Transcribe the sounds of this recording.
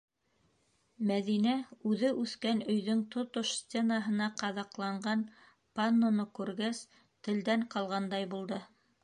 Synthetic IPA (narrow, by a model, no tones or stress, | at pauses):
mæðinæʉðɘʔʉθkænɵ̆jðɵŋt̪ot̪oʃsʲt̪ʲenaɦɤ̆nɑqɑðɑqlˠɑɴɢɑn | panːonokʉɾɡæs | t̪ɘ̆ld̪æɴqɑlˠʁɑnd̪ɑjbulˠd̪ɤ